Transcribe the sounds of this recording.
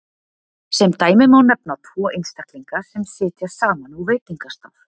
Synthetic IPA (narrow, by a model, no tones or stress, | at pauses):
sɛmt̪aːjmɪmawnɛp̚nat̪ʰvɔːʔejnst̪akliŋkasɛmsɪːt̪jaɾ̥saːmanuveːjt̪iŋkast̪awv